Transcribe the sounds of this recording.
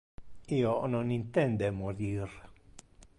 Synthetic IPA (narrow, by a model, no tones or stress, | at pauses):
ionɔnint̪ɛnd̪emoɾiɾ